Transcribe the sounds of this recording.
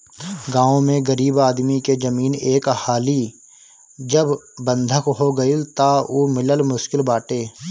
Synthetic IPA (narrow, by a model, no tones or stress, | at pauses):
ɡãːõmẽɡɐɾiːbaːd̪miked͡ʒɐmiːneːkhaːli | d͡ʒəbːə̃nd̪ʱəkɦoɡɐilt̪aoːmɪləlmʊʃkɪlbaːʈeː